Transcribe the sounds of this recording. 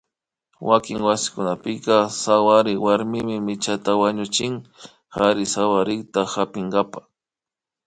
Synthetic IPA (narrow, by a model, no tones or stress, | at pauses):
wakɪŋwasɪ̥kʊnapɪkɑsawaɾɪwaɾmɪmɪmɪt͡ʃat̪awaɲʊt͡ʃɪŋ | haɾɪsawaɾɪkt̪ahapɪŋɡapḁ